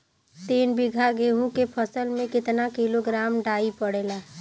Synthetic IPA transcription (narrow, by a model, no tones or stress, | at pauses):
t̪eːnbɪɡʱaɡeːɦũkepʰəsəlmẽkɪt̪nakiloɡɾaːmɖaːipəɽela